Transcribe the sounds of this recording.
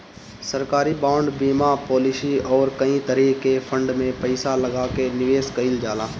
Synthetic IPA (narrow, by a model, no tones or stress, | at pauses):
səɾkaːɾibaːʊɳɖbiːmapɔːlɪsiɔːɾkɐĩt̪əɾiːkefʰə̃ɳɖmẽpəɪsalɐɡaːkenɪʋeːskəɪld͡ʒaːlaː